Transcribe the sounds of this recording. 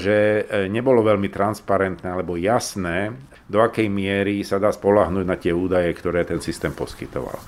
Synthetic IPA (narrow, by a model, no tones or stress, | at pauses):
ʒɛɲɛbɔlɔʋɛʎmit̪ɾanspaɾɛnt̪nɛalɛbɔjasnɛː | d̪ɔakɛjmɪɛɾisad̪aːspɔlaɦnuːɟnat̪ɪɛuːd̪ajɛkt̪ɔɾɛːt̪ɛnsist̪ɛːmpɔskit̪ɔ̰ʋa̰l